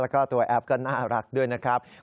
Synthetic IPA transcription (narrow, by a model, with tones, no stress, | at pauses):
lɛ˦˥kɔː˥˩t̪u˧ɐʔɛ˦˥p̚kɔː˥˩naː˥˩ɾa˦˥k̚du˥˩əjna˦˥kʰɾa˦˥p̚